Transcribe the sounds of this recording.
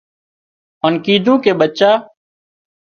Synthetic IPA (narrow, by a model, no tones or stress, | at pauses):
oːnkiːd̪ʱũːkeːɓət͡ʃaː